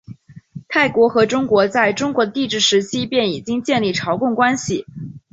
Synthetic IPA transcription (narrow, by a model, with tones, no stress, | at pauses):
t̪ʰa˥˩ɪkwɔ˧˥xɤ˧˥ʈ͡ʂʊ˥ŋkwɔ˧˥t͡sa˥˩ɪʈ͡ʂʊ˥ŋkwɔ˧˥d̪ə˧t̪i˥˧ʈ͡ʂɻ̩˥˩ʂɻ̩˧˥t͡ɕʰi˥pjɛ˥˩ni˨˩t͡ɕi˥ŋt͡ɕjɛ˥˧nli˥˩ʈ͡ʂʰɑ˧˥ʊkʊ˥˩ŋkwa˥nɕi˨˩